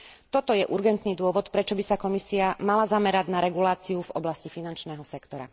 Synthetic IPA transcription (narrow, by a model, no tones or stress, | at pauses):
t̪ɔt̪ɔjɛʔuɾɡɛnt̪niːd̪ʊɔʋɔt̪pɾɛt͡ʃɔbisakɔmisiamalazamɛɾaɟnaɾɛɡulaːt͡siuvɔblascifinant͡ʃnɛːɦɔsɛkt̪ɔɾa̰